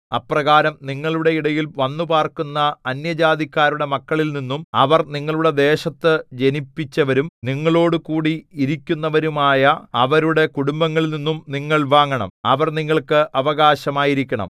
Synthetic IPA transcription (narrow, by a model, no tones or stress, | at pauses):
ɐprɐɣaːɾɐmniŋːɐɭuɽe̞iɽɐjilʋɐnːupaːrkunːɐːnjɐd͡ʑaːd̪ikʲːaːɾuɽe̞mɐkːɐɭilninːumɐʋɐrniŋːɐɭuɽe̞d̪e̞ːɕɐt̪ːɨd͡ʑe̞nipːit͡ɕːɐʋɐɾumniŋːɐɭo̞ːɽukuːɽiiɾikʲːunːɐʋɐɾumaːjɐɐʋɐɾuɽe̞kuɽumbɐŋːɐɭninːumniŋːɐɭʋaːŋːɐɳɐ̰mɐʋɐrniŋːɐɭkɨʔɐʋɐɣaːɕɐmaːjiɾikʲːɐɳɐ̰m